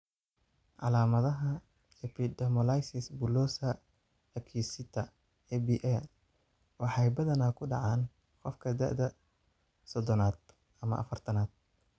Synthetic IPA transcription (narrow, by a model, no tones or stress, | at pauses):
ʕɑ̰laːmɐðɐɦɐ | ɛpʰid̪ɐmɔlajsɪsbʊlɔsɐ | ɐkʰisɪt̪ʰɐ | ɛbiʔɛl | wɑħɑjbɐðɐnaːkʰʊɖɑ̰ʕɑːn | qɔfkʰɐd̪ɐ̰ʕd̪ɐ | sɔd̪ɔnaːd̪ | ɐmɐ̰ʔɐ̰fɐrt̪ʰɐnaːd̪̥̚